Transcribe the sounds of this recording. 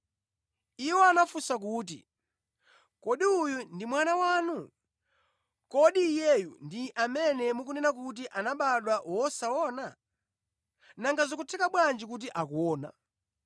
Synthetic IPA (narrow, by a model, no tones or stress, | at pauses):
iwɔanafusak̬uːt̬ḭ | kɔɗiujundimwanawaːnu | kɔɗiːjɛjṵndiʔamɛnɛmuk̬unɛnak̬ut̬iʔanaɓaɗwawɔsaɔna | naŋɡazɔkutʰɛkaɓwand͡ʒikut̬iʔakuɔːna̰